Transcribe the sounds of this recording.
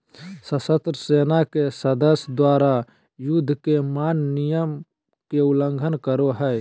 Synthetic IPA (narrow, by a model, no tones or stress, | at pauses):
səsət̪ɾəseːnakesəd̪əsjd̪waːɾa | jud̪ʱːkemanːijəm | keuləŋɡʱənkəɾoɦəj